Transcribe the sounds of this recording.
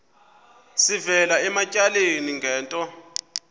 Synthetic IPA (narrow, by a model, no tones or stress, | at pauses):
sivɛlaɛmacʼaleniŋɡʱɛːntʼɔ